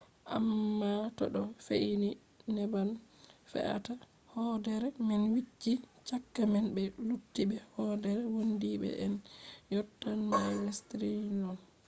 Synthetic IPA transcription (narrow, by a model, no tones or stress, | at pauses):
ʔa̰mːatɔɗɔfeʔini | nɛbanfɛ̰ʔa̰ta | hɔdɛɾɛmɛnwit͡ʃːit͡ʃakːamɛnbɛlutːibɛhɔdɛɾɛwondibɛ̰ʔɛnjɔtːanmajwestɾinɔn